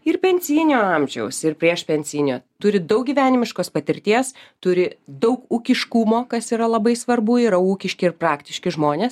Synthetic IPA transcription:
ɪɾpʲɛnʲsʲiːnʲoːɑmʲʒʲɛʊsɪɾpʲɾʲiɛʃpʲɛnʲsʲiːnʲoːt̪ʊɾʲɪd̪ɐʊk̚ɡʲiːʋʲæːnʲɪmʲɪʃkoːspɐt̪ʲɪɾʲt̪ʲiːst̪ʊɾʲɪd̪ɐʊkuːkʲɪʃkuːmoːkɐsiːɾɐlˠɐbɐɪsʋɐrbuːiːɾɐuːkʲɪʃʲkʲɪɪrprɑːkt̪ʲɪʃʲkʲɪʒmoːnʲeːs

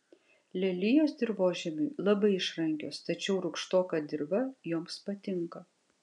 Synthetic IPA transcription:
lʲɛlʲɪjoːsd̪ʲɪɾboːʒʲɛmʲʊɪlˠɐbɐɪɪʃɾɐŋʲkʲoːst̪ɐt͡ʃʲɛʊɾʊkʃt̪oːkɑd̪ʲɪɾbɐjoːmspɐt̪ʲɪŋkɐ

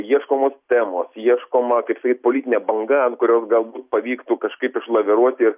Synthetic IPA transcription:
jiɛʃkoːmoːst̪ʲæːmoːsjiɛʃkoːmɐkɐɪpsɐkʲiːt̪̚poːlʲit̪ʲɪnʲɛːbɐŋɡɐkʊɾʲoːsɡɐlˠbuːt̪pɐʋʲiːkt̪uːkɐʃkɐɪpɪʃlˠɐʋʲɛɾuɔt̪ʲɪr

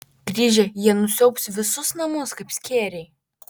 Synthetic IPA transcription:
ɡ̥ɾʲiːʒʲɛjiɛnʊsʲɛʊpsʲʋʲɪsʊsnɐmʊskɐpsʲkʲeːɾʲɛɪ

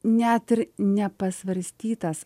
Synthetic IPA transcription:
nʲɛt̪ɪɾnʲɛpɐsʋɐɾʲsʲt̪ʲiːt̪ɐs

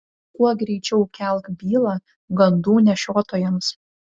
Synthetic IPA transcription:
kuɔɡɾʲɛɪt͡ʃʲɛʊkʲɛlˠkbʲiːlˠɑː | ɡɐnd̪uːnʲɛʃʲoːt̪ojɛms

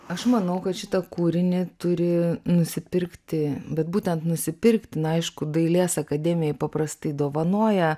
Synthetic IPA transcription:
ɐʃmɐnɐʊkɐt̪ʃʲɪt̪ɐkuːɾʲɪnʲɪt̪ʊɾʲɪnʊsʲɪpʲɪɾkt̪ʲɪbʲɛt̪buːt̪ʲɛnt̪nʊsʲɪpʲɪrkt̪ʲɪnɐɪʃkʊd̪ɐɪlʲeːsɐkɐd̪ʲɛːmʲɪjɛɪpɐpɾɐst̪ɐɪd̪oːʋɐnuɔjɛ

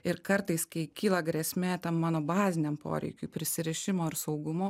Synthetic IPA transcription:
ɪɾkɐɾt̪ɐɪskɐɪkʲiːlˠɐɡɾʲɛsʲmʲeːt̪ɐmmɑːnoːbɑːzʲɪnʲɛmpʰo̰ːɾʲɛ̰ɪkʲṵːpʲɾʲɪsʲɪɾʲɛʃʲɪmoːɪɾsɐʊɡʊmoː

